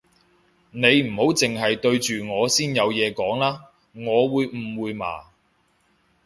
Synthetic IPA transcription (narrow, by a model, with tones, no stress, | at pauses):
ne˨˧jm̩˨˩ho˨˥wt͡sɪ˨ŋɦɐ˨jt̪ɵ˧ɥt͡ʃyː˨ŋɔː˨˧siː˥njɐ˨˧wjɛː˨˧kɔː˨˥ŋlaː˥ | ŋɔː˨˧wuː˨˧jm̩˨˩wuː˨˧jma̰ː˨˩